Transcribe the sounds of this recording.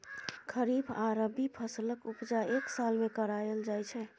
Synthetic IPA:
kʰəɾibaɾəbipʰəsləkupd͡ʒaeksalmekəɾajəld͡ʒajt͡ʃʰɛ

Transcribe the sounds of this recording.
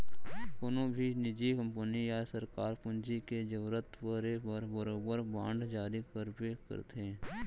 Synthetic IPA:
ʊnõbʱinɪd͡ʒikə̃mpənijasəɾkaːɾpʊnd͡ʒiked͡ʒəʋɾət̪pəɾebəɾbəɾoːbəɾbã̰ːɳɖd͡ʒaːɾikəɾbekə̰ɾt̪ʰeː

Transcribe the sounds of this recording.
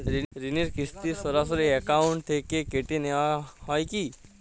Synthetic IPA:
ɾiɾiniɾkist̪isɔɾas̬oɾiɛkaʊɳʈt̪ʰekekeʈineʋahɔjki

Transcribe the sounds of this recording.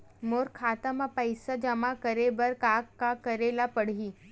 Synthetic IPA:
moːɾkʰaːt̪əmapəjsad͡ʒəmakəɾebəɾkaːkːakəɾelapəɽ̤ɦiː

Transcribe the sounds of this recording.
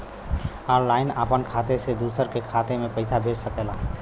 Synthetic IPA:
aɾlaɪnəpənkʰat̪esed̪usəɾkekʰat̪emepəɪsabʱed͡ʒsəkɛla̰

